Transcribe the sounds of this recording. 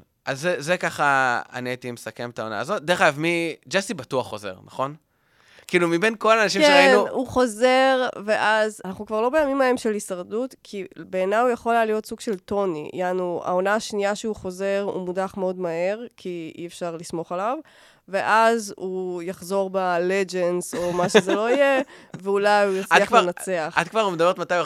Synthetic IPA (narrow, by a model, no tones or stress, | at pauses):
ʔazːezekaχaa̰nieat̪imesakemet̪aona̰ːzo̞t̪̚d̪eʁχajavmid͡ʒastibatuaχːoze̞̰ʁna̰χo̞n | kiiːlumibe̞nko̞laːnaʃ̬imkeainuuχo̞ze̞ʁve̞ʔazanaχnukvaʁlo̞bejamimaemʃelisaʁdutkʰibeːnajujaχolalijo̞tsuɡʃe̞lto̞nḭḭanua̰onaːʃniaʃeuχo̞ze̞ʁṵmudaχmeo̞dmahe̞ʁkʰiḭefʃaʁlismo̞χalav | ve̞ʔazujaχzo̞ʁbaled͡ʒenzo̞maʃezelo̞ije̞veulajujot͡saavenat͡se̞aχat̪kvaʁumed̪ɐbeʁetmat̪aj